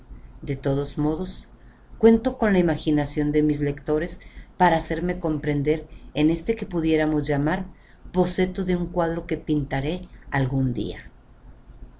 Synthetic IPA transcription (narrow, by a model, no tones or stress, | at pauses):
d̪e̞t̪o̞ðo̞zmo̞ð̞o̞s | kwe̞nt̪o̞ko̞nlaimaxinasjo̞nd̪e̞mizle̞kt̪o̞ɾe̞spaɾaːse̞ɾme̞ko̞mpɾe̞nd̪e̞ɾene̞st̪e̞ke̞puðje̞ɾamo̞zʝamaɾ | bo̞se̞t̪o̞ðe̞uŋkwað̞ɾo̞ke̞pint̪aɾe̞alɣund̪ḭa̰